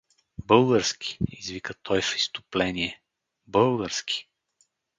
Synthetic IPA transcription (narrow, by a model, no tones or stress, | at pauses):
bɤlˠɡəɾskʲi̥izvikət̪ʰɔjfi̥st̪ʊ̥plɛniɛ | bɤlˠɡəɾskʲi̥